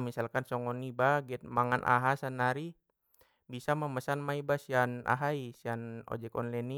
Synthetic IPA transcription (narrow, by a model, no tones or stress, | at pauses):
misalkansɔŋɔnibaɡɛt̪̚maŋanʔa̰ɦasanaɾi | bisaməməsanmaibasiana̰ɦaisianɔ̰d͡ʒɛkɔ̰nlɛni